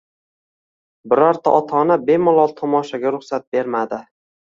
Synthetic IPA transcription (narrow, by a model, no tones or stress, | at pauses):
bɪɾaɾt̪ʰaʔɒt̪ʰɒnabe̞mɒlˠɒlˠt̪ʰɒmɒʃaɡʲaɾʊχsat̪̚be̞ɾmad̪ɪ